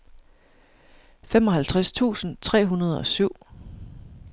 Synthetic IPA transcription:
femɒ̽ɦælt͡sʰʁast͡sʰṵːsn̩t͡sʰʁɛ̰ːɦunɐð̞ˠɒ̽syʊ̰

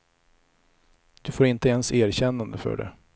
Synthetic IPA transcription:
d̪̥ɵfoːɾɪnt̪əɛnsæːɾɕɛnːand̪əfœ̰ːɖɛ̰

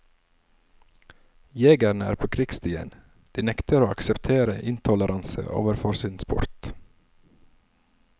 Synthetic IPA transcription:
jeːɡəɳəæ̰ːɾpʰoːkʰɾɪkst̪ʰyːə̰n | d̪̥iːnɛkt̪əɾoːɑksɛpt̪ʰeːɾəʔɪnt̪ʰɔləɾʔɑnsə̰ʔo̰ːʋəɾfɔɾsiːnspʊ̰ɾt̪

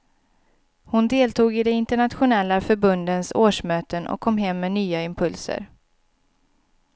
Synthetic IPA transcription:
hʊnd̪eːlt̪ʰuːɡɪd̪ɛɪnt̪əɳat̪ɧʊnɛlːafœɾbɵnd̪ənsoːʂmøːt̪ənɔ̰kʰːɔmːɦɛmːɛnyːaɪmpʰɵlsə̰ɾ

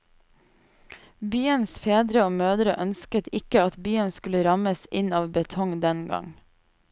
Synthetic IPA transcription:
byːənsfeːd̪ɾəoːmøːd̪ɾəʔœnskət̪ʰɪkəɑt̪byːənskʉləɾɑməsɪnɑːʋbət̪ʰɔŋd̪ɛnɡɑ̰ŋ

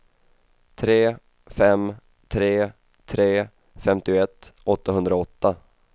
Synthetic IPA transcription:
t̪ʰɾeː | fɛm | t̪ʰɾeː | t̪ʰɾeː | fɛmt̪ɪɛt̪ːɔt̪ːaɦɵnd̪ɾaɔt̪ːa

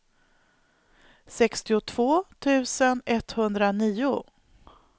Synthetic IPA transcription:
sɛkst̪ɪʊt̪ʰv̥oːt̪ʰʉ̟ːsənɛt̪hɵnd̪ɾaniːʊ

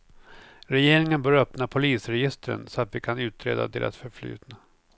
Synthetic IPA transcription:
ɾɛjeːɾɪŋənbœːɾœpnapʰʊliːsɾɛjɪst̪əɾə̰nsɔat̪vɪkʰanʉ̟ːt̪ɾḛːd̪a̰t̪ʰɪlʔa̰t̪fœɾfly̰ːt̪na

